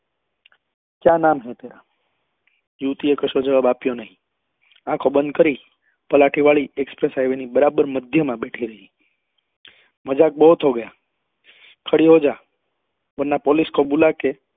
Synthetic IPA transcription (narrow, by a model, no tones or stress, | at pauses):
kjãnamɦet̪eɾa | juʋt̪iekəʃod͡ʒəʋabapjonəɦĩ | ãkʰobənd̪̚kəɾi | pəlaʈʰiʋaɭiekspɾesajʋenibəɾabəɾməd̪ʱjəmãbeʈʰiɾəɦi | məd͡ʒak̚boɦut̪ʰɦoɡəja | kʰəɽiɦod͡ʒa | bənːapɔliskʰobulake